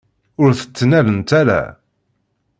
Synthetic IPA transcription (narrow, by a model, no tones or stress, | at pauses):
ʊɾθə̥t͡sːnælənt̪æɾæ̰